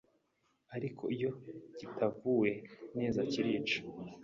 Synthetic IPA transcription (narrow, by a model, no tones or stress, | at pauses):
aɾikʰo̞̰ijo̞ɟ̥itʰavuwe̞neːzaciɾiːt͡ʃḁ